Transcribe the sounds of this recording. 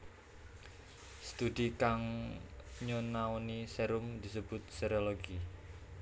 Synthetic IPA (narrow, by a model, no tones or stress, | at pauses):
st̪ud̪ikaŋ | ɲonauniseɾʊmd̪isəb̥ʊt̪̚seɾoloɡi